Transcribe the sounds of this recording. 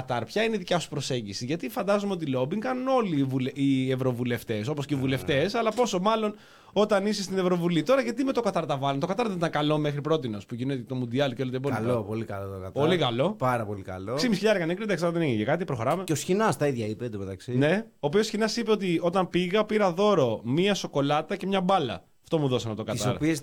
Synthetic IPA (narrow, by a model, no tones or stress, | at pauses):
ɐt̪ɐɾpçɐineiðicɐsu̥pɾo̞se̞ɲɟisiʝɐt̪ifɐnd̪ɐzomeot̪ilo̞biŋkɐnuno̞livuleievɾo̞vule̞ft̪e̞so̞posceivule̞ft̪e̞sɐlɐpo̞so̞mɐlo̞n | o̞t̪ɐnisest̪ine̞vɾo̞vulit̪o̞ɾɐʝɐt̪imet̪okɐt̪ɐɾt̪ɐvɐlunt̪o̞kɐt̪ɐɾtððet̪ɐŋkɐlo̞mexɾipɾo̞t̪ino̞spuʝinet̪et̪omund̪iɐlceo̞lit̪ebonlopolikɐlot̪okɐt̪polikɐlo̞pɐɾɐpo̞likɐ̰lossimisçiʎɐɾekɐnekɾid̪ɐkslɐðeeʝincekɐt̪ipɾo̞xo̞ɾɐme̞eosçinɐst̪ɐiðʝɐiped̪omet̪ɐksine̞oːpiosçinɐsipe̞o̞t̪̬io̞t̪ɐmpiɣɐpiɾɐðo̞ɾo̞miɐso̞ko̞lɐt̪ɐce̞mɲɐbɐlɐ̰ | ɐft̪o̞muðo̞sɐnɐt̪okɐt̪isɐoɾpies